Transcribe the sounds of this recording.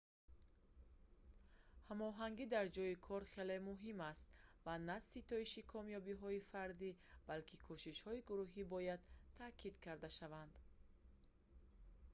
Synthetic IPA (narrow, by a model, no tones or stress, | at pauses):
hamɔɦaŋɡid̪aɾd͡ʒɔjikʰɔɾχelemuɦimast̪vanasit̪ɔiʃikʰɔmjɔbiɦɔifaɾd̪ib̥alkʰikʰuʃiʃhɔiɡuɾuɦibɔjad̪t̪ʰakʰid̪kʰaɾd̪aʃavand̪̥